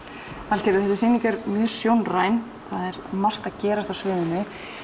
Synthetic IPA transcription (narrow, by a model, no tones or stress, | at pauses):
al̥cɛɾɪθɛsɪ̥siːniŋkɛɾmjœːsjownraːjn | θaðɛɾmar̥t̪aðcɛːɾast̪awsvɪːðʏnɪ